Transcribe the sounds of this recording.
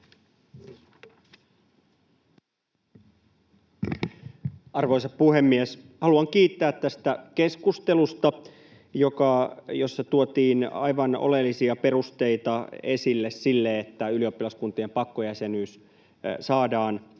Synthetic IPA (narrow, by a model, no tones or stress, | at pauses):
ɑrʋo̞isɑppuhe̞mːies | hɑluɑŋkiːt̪ːæːt̪t̪æst̪æke̞skust̪e̞lust̪ɑ | jo̞kɑjosːɑt̪uot̪iːnɑ̰jʋɑno̰le̞lːisiɑpe̞rust̪e̞it̪ɑe̞silːessilːeet̪ːæylio̞pːilɑskunt̪ie̞mpɑkːojæsenyːs | sɑːdɑːn